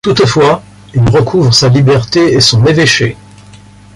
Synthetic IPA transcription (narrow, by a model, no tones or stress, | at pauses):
t̪ut̪fwa | ilʁəkʰuvʁəsalibɛʁt̪eesɔ̃meveʃe